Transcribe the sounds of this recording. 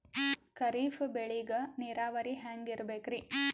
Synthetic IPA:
kɐɾiːfbeɭiɡɐniːɾaːʋɐɾiɦaːŋɡiɾbeːkɾi

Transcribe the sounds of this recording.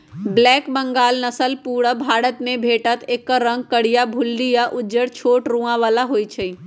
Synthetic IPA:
blɛːkbə̃ŋɡaːlnəsəlpuːɽəbʱaːɽət̪mẽbʱeːʈət̪ʰeːkːaɾə̃ŋɡ̚kəɽ̤ijabʱʊlːijaʔʊd͡ʒəɽt͡ʃʰoːʈɾũːãʋaːlaɦoːit͡ʃʰəi

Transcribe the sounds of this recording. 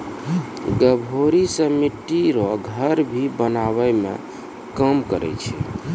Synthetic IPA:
ɡəbʱoɾisəmiʈiɾɔɡʱəɾbʱibənaβɛmḛ | kəmkəɾɛ̰t͡ʃʰɛ̰

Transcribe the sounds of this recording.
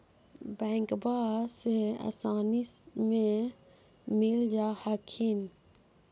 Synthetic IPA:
bɛŋkbaːsea̰saːnismẽ | mild͡ʒaːhakʰin

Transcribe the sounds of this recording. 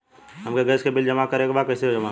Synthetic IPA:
ɦɐmkeɡəskebɪld͡ʒəmakɐɾekbaːkɐɪseɦod͡ʒəma

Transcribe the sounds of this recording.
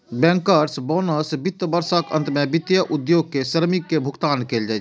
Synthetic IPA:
bɛ̃ŋkəɾsbɔnəsbit̪ːəbəɾsəkə̰̃nt̪mebit̪ːjəʔud̪joːɡ̚keʃəɾmikːebʱʊkt̪aːnkeːld͡ʒaːt͡ʃʰ

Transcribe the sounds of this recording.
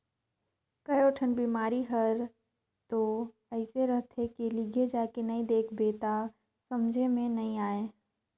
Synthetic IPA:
kəjoːʈʰənbiːmaːɾiɦəɾ | t̪o | ɛɪseɾəɦt̪ʰekilɪɡʱed͡ʒaːkenɐĩd̪eːkʰbeːt̪a | sɐmd͡ʒʱemẽnɐɦĩaːeː

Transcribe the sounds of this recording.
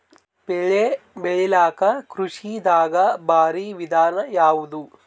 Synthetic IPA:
bɛɭebɛɭilaːkɐkɾuʂid̪aːɡɐbʱaːɾiʋid̪ʱaːnɐjaːʋud̪u

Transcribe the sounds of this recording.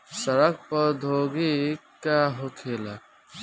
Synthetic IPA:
səɾək̚pəd̪ʱoːɡikaɦokʰela

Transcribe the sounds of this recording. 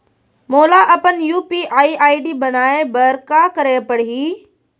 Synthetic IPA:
moːlaʔɐpənjuːpiʔaːiaːiɖiːbɐnaːebəɾkakəɾepəɽ̤iː

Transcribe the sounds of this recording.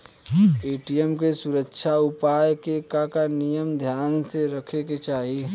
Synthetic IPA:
eːʈijəmkesʊɾəkʃʰaʊpaːjkekakanijəmd̪ʱjaːnseɾəkʰeket͡ʃaːɦi

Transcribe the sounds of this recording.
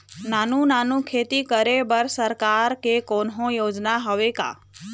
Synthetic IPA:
naːnũnanũkʰeːt̪ikəɾebəɾsəɾkaɾkekonɦõjoːd͡ʒnaɦɔʋeka̰

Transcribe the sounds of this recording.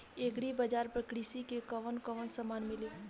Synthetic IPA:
eɡɽibəd͡ʒaːɾpɾəkɾisikekəʋənkəʋənsəmaːnmɪleː

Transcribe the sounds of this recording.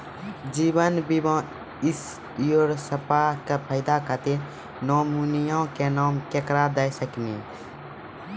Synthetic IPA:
d͡ʒibənbibɔ̃ | is | joɾsəpaɦkepʰəɪd̪akət̪i | noːmunijõkenaːmkekɾad̪əjsəkni

